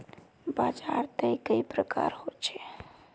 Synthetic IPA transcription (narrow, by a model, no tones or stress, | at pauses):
baːd͡ʒaːɾt̪əikəipɾəka̰ːɾhot͡ʃʰe